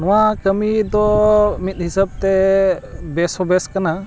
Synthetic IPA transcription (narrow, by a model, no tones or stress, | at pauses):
nɔwakəmid̪ɔmit̪̚hisab̚t̪ɛ | bɛsɔbɛskana